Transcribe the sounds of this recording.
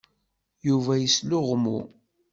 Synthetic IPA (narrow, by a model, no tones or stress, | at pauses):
juvæjəslʊʁmṵ